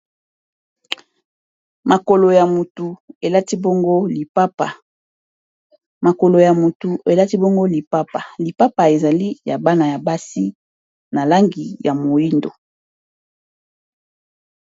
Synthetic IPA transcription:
ma˨ko˨lo˨ja˨mu˨tu˨e˨la˦ti˦bo˦ŋɡo˦li˨pa˦pa˨ | ma˨ko˨lo˨ja˨mu˨tu˨e˨la˦ti˦bo˦ŋɡo˦li˨pa˦pa˨li˨pa˦pa˨e˨za˨li˦ja˨ba˦na˨ja˨ba˦si˦ | na˨la˦ŋɡi˨ja˨mo˨ji˦ndo˨

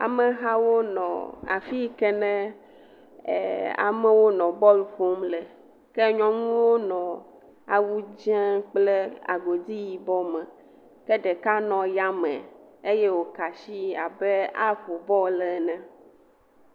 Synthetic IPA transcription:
a̰˨mə˨ɦa˦wo˦nɔ̰̃˨a̰˨fi˦kɛ˦nɛ̃˦˨ | a̰˨mɛ˦wo˦nɔ̃˨bɔ˦lɸo˦mle˨ | kɛ˦ɲɔ̃˦ŋũ˦wo˦nɔ̃˨ | a˨wu˦d͡ʒɛ̃˦k͡pleɛ˦a̰˨ɡo˨d̪i˦ji˨bɔ˦mɛ̃˨ | kɛ˦ɖe˨ka˦nɔ̃˨ja˦mɛ̰̃˨e˦je˦wo˨ka˨ʃi˦a˨be˦a˦ɸo˨bɔ˦lɛ˨nɛ̃˦

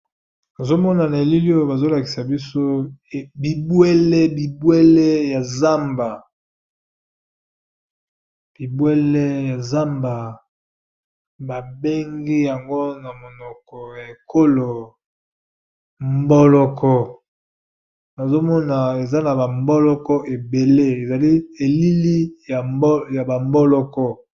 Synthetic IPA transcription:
na˨zo˦mɔ˦na˨na˨e˨li˦li˦o˦˨ba˨zo˦la˨ki̥˨sa˨bi˦so˦˨bi˨bwɛ˦lɛ˦bi˨bwɛ˦lɛ˦ja˨za˦mba˨ | b̥i˨bwɛ˦lɛ˦ja˨za˦mba˨ | ba˨be˦ŋɡi˦ja˨ŋɡo˦na˨mo˨nɔ˨kɔ˨ja˨e˨ko˦lo˨ | mbɔ˦lɔ˨kʰɔ˨ | na˨zo˦mɔ˦na˨e˨za˦na˨ba˨mbɔ˦lɔ˦kɔ˦ʔe˨be˨le˦e˨za˨li˦e˨li˦li˦ja˨˦ja˨ba˨mbɔ˦lɔ˦kɔ˦

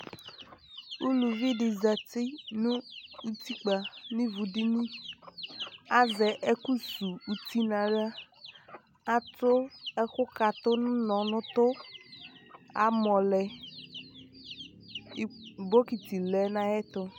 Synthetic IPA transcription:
u˦lu˨vi˦ɖɪ˨za˨t̪i˦nũ˦u˦t̪i˦k͡pa˨nĩ˦vu˨ɖi˦nĩ˦ | a˦zɛ˨ʔe˦ku˦su˨u˨t̪i˦nã˨ɖa˦ | a˦t̪ɾo˦ɛ˦xʊ˦ka˨t̪ʊ˦nũ˦nɔ̃˨nʊ̃˦t̪ʊ˦ | a̰˨mɔ̃˨lɛ˨˦ | bo˦ki˨t̪i˨lɛ˨nã˨jɛ˦t̪ʊ˦

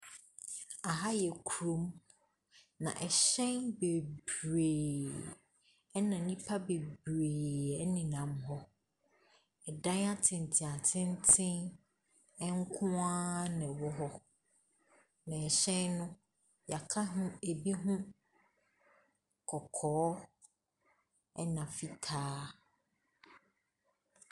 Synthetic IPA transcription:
a˨ɦa˦jɛ˨kʰu˨ɾõ˦m | nã̰˨ʔɛ˨ɕɛ̃˦nbe˨bɾeː˨ | ɛ˦nã˨nĩ˦pʰa˦be˨bɾeː˨ɛ˦nɪ̃˨nã˨mɦɔ˦ | ɛ˨dã˦na˦tʰɪ̃˨n˨tʰɪ̃˨a˨tʰɪ̃˦n˦tʰɪ̃˦n | ɛ˦ŋ̩˦kʰʊ̃˦ã˦nɪ̃˨wɔ˦ɦɔ˦ | nã˨ɛ˨ɕɛ̃˦nʊ̃˦ | ja˨kʰa˦ɦʊ̃˦e˨bi˦ɦʊ̃˦ | kʰɔ˨kʰɔː˨˦ | ɛ˦nã˨fi˦tʰaː˦

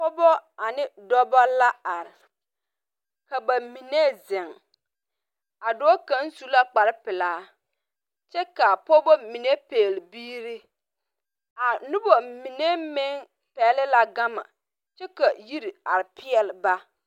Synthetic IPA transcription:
pɔ˦bɔ˦a˨nɪ˦dɔ˦bɔ˦la˦a˨ɾɪ˨ | ka˨ba˨mi˨ne˦zɪ˨ŋ | a˨dɔː˦ka˦n˦su˨˦la˦k͡pa˨ɾɪ˦pɪ˨laː˨˦ | t͡ʃɛ˦ka˨pɔ˦bɔ˦mi˨ne˦peː˨lbiː˦ɾi˦ | a˨nʊ˦bɔ˨mi˨ne˦mɪ˦ŋ | pɛː˨˦lɪ˦la˨ɡa˦ma̰˨ | t͡ʃɛ˦ka˨ji˦ɾi˨a˨ɾɪ˨pʰɪ˦ɛ˨lɪ˨ba˦

